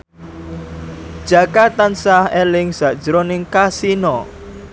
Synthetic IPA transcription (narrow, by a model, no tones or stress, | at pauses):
d̥ʒ̥a̤kat̪ansahelɪŋz̥a̤ʔd̥d͡ʒ̥əɾonɪŋkasinɔ